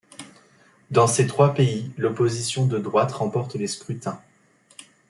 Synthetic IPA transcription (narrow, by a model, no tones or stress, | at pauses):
d̪ɑ̃set̪χwapeilɔpozisjɔ̃d̪əd̪ʁwat̪ʁɑ̃pɔʁt̪leskχyt̪ɛ̃